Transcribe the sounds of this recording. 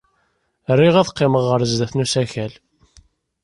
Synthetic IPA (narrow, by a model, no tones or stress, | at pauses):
rːiʁæðqːɪməʁːəɾzd̪æθnusæçæl